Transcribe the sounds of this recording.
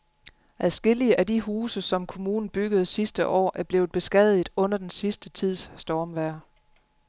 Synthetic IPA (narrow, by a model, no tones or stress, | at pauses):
ʔæðˠsɡ̥e̝l̰iəʔædiɦuːsəsɒ̽mkʰo̝muːnn̩b̥yɡ̥əð̞̩ˠsisd̥əʔɒ̰ːʔæɐb̥le̝ːð̩ˠb̥e̝sɡ̥ɛð̰̩ˠɔ̽n̰ɐd̥ensisd̥ət͡sʰið̞̰ˠsːd̥ɒːmʋæɐ